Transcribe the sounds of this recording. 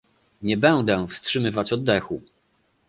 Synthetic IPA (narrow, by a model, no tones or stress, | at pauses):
ɲɛbɛnd̪ɛfstʂɘmɘvat͡ɕɔd̪ːɛxu